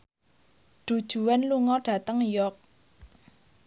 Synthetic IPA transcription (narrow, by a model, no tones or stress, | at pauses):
ɖ̥ṳd̥ʒ̥ṳwɛnluŋɔɖ̥ä̤t̪əŋjɔk̚